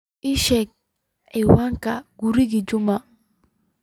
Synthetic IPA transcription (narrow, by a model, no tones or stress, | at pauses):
ʔɪʃɛk̚ | ɛwaŋkaɡuɾiɡid͡ʒʊma